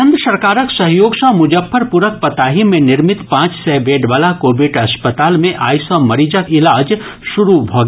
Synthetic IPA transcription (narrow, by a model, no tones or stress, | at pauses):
ə̃nd̪sɐɾkaːɾəksɐɦjoːɡʃãmʊd͡ʒəfʰəɾpʊɾək̚pɐt̪aːɦimẽnɪɾmɪt̪pãːt͡ʃsɛːbeːɖʋaːlakoːbɪɖɐspət̪aːlmẽʔa̰ːjsɔ̃mɐɾiːd͡ʒəkɪlaːd͡ʒʃʊɾubʱoɡ